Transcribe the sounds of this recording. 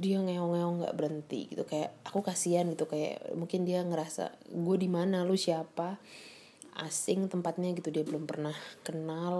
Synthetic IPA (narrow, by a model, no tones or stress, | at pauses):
diaŋaɔŋeɔŋɡa̰ʔbəɾənt̪ḭɡit̪ukajaʔakukasianɡit̪ukaja̰ʔmuŋkɪndiaŋəɾasa̰ɡuadimanalʊsiapa | a̰sɪŋt̪əmpat̪̚ɲaɡit̪udiabəlʊmpərnahkənal